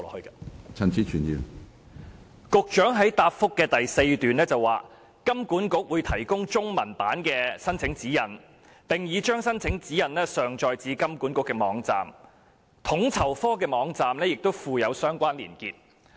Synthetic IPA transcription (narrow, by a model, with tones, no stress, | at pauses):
lɔ̰˨khɵ˧ka˧t͡sʰɐ˨˩nt͡sʰiː˨˥t͡ʃʰyː˨˩njḭː˨˧w | kʊ˧k̚t͡ʃœː˨˥ŋɦɐ˨˥jt̪aː˧p̚fʊ˥kːɛː˧t̪ɐ˨jse˧jt̪yː˨nɛː˥t͡sɐ˨wa̰ː˨ | kɐ˥mkuː˨˥nkʊ˧˥k̚wuː˨˧jt̪ʰɐ˨˩jkʊ˥ŋt͡ʃʊ˥ŋmɐ˨˩npaː˨˥nkɛː˧sɐ˥nt͡sʰɪ˨˥ŋt͡siː˨˥jɐ˨˩n | t̪ɪ˨ŋjiː˨˧t͡ʃœː˥ŋsɐ˥nt͡sʰɪ˨˥ŋt͡siː˨˥jɐ˨˩nlɛː˥sœː˨˩ŋt͡ʃɔː˧jt͡siː˨˧kɐ˥mkuː˨˥nkʊ˧˥kːɛː˧mɔ̰ː˨˥ŋt͡sa̰ː˨m | t̪ʰʊ˨˥ŋt͡sʰɐ˨˩wfɔː˥kɛː˧mɔː˨˧˥ŋt͡saː˨mlɛː˥jɪ˨k̚t̪o˥wfuː˧jɐ˨˧wsœː˥ŋkʷaː˥nlḭː˨˩nkiː˨˧t̚